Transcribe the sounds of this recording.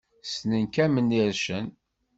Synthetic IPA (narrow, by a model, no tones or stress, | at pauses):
snənkæmənːiɾʃən